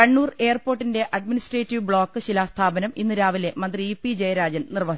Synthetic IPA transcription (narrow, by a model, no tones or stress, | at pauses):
kɐɳːuːre̞ːrpo̞ːrʈːinde̞ʔɐɖminisʈreːtːiʋbɭo̞ːkːɨɕilaːst̪ʰaːbɐnɐminːɨɾaːʋile̞mɐnd̪riipːid͡ʑejɐɾaːd͡ʑɐnnirʋɐ